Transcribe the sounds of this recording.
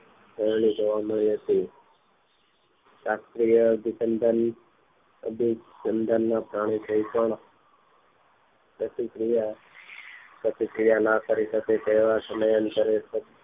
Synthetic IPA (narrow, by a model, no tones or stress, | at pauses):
bəɾɳ̃id͡ʒoʋaməɭiɦət̪i | sast̪ɾijəɡit͡ʃənd̪ʱan | ə̰bid͡ʒənd̪ʱanːãpɾaɽ̃it̪ʰəipəɳ | pɾət̪ikɾija | pɾət̪ikɾijanakəɾisəket̪ːʋasəməjənkəɾet̪ə